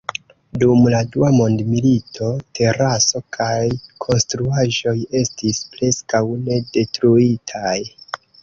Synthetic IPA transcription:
dumladuamo̞ndmilitʰo̞tʰe̞ɾaso̞kʰajkʰo̞nstɾuaʒo̞je̞stispɾe̞skawne̞de̞tɾuitʰaj

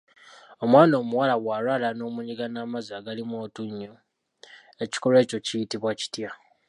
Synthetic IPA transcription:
o̞mwaːnoːmuwalawwaːɾwalano̞ːmuɲiɡanaːmazaɡalimoːtuɲːo | e̞ci̥kole̞ːco̞cijitiβwaci̥tja

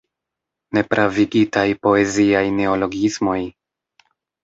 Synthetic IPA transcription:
ne̞pɾʔaviɡitajpo̞e̞ziajne̞o̞lo̞ɡismo̞j

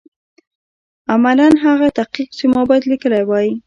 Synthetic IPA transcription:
amalanɦaɣat̪aqiqt͡ʃemɑbɑjad̪likəlajwɑji

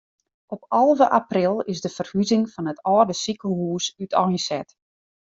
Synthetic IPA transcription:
ʔɔpɑlˠvəʔaprɪlˠɪzdəfərhyzɪŋfɔnətʰɔːrdəsikəl̩ˠhuːsytʰɔjnsɛt

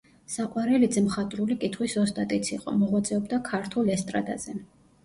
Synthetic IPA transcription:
saqʼwaɾɛlid̪zmχat̪ʼɾulikʼit̪ʰχwisɔst̪ʼat̪ʼit̪sʰiqʼɔ̰mɔʁwat̪sʼɛɔbd̪akʰaɾt̪ʰulɛst̪ʼɾa̰d̪a̰z̥ɛ

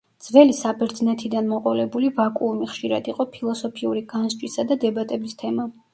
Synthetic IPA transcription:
d̪z̥vɛlisabɛɾd̪znɛt̪ʰid̪anmɔqʼɔlɛbulivakʼuːmiχʃiɾa̰d̪iqʼɔpʰilˠɔsɔpʰiuɾiɡanzt͡ʃʼwisad̪ad̪ɛbat̪ʼɛbist̪ʰɛma

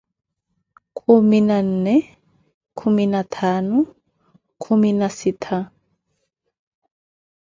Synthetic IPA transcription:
kʰʼuminan̩ːnɛ | kʰuminat̪ʰaːnu | kʰuminasitʰa

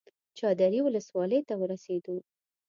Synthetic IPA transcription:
t͡ʃɑd̪aɾiwʊləswɑləjt̪awəɾased̪o

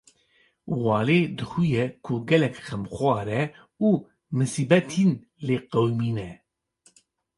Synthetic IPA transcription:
wɑːleːd̪ɨxujɛkʰʊɡɛlɛkxɛmxwʷɑːɾɛ | uː | mɨsiːbɛt̪ʰiːn | leːqɛwmiːnɛ

